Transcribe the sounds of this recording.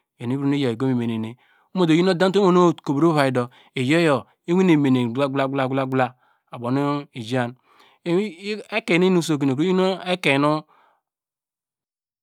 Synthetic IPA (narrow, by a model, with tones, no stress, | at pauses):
jo˨n˨i˦bɾu˦ne˦jo˨e˨ɡo˦mi˨me˨ne˨ne˨ | u˦mo˨do˨ji˦no˦da˦to˦mo˦˨no˦˨ko˨bɾo˦βa˨i˨do˨ | e˨jo˦jo˨ | e˦wi˦ne˨me˨ne˨ɡla˦ɡla˦ɡla˦˨ɡla˦˨ɡla˦ | a˨bo˨nu˦i˨d͡ʒa˦˨n˦ | e˦ke˨ne˦nu˦˨s̬o˨k̬i˨ne˨o˦i˦no˦e˦ke˨nu˦